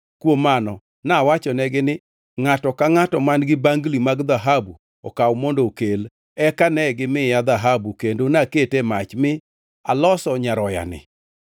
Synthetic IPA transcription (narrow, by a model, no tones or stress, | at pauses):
kwomanɔ | nawat͡ʃɔnɛɡɪnɪ | ŋatɔkaŋatɔmanɡɪbaŋɡlimaɡd̪aɦabu | ɔ̰kawmɔndokel | ɛkanɛɡɪmɪjad̪aɦabukendonaketemat͡ʃmɪ | alɔsɔɲaɾɔja̰nɪ̰